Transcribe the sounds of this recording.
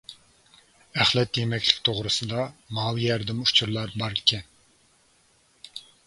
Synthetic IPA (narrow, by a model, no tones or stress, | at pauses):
æχlɛt̪jemɛkʲʰlɪ̥kʲt̪ʰoʁɾɨsɨd̪ɑmɑːwjɛɾd̪ɪmut͡ʃʰuɾlˠɑɾbɑɾkʲʰɛn